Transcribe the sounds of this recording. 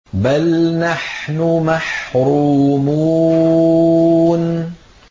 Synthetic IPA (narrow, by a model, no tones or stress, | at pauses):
balnaħnʊmaħɾuːmuː | n